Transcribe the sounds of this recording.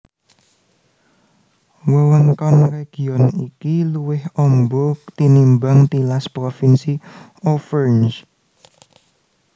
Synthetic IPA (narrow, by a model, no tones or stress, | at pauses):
wəwəŋkɔnreɡ̥i̤ɔnikiluwɪhɔmbɔt̪inimbaŋt̪ilaspɾofinsi | ɔfərns